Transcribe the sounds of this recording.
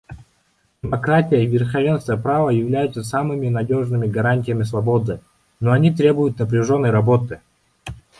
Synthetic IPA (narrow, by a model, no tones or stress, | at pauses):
dʲɪmɐkɾatʲɪjəivʲɪrxɐvʲe̞nst̪vəjəpɾavəjɪvlʲæjʊt̪səsamɨmʲɪnɐdʲo̞ʐnɨmʲɪɡɐɾanʲtʲɪjəmʲɪsvɐbo̞d̪ɨ | noɐnʲit̪ɾʲe̞bʊjʊt̪̚nəpɾʲɪʐo̞nːəjɾɐbo̞t̪ɨ